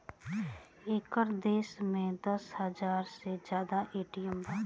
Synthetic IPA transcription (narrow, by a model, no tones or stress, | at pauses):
eːkəɾd̪eːsmẽd̪əshəzaːɾsed͡ʒjaːd̪aʔeːʈɪjəmbaː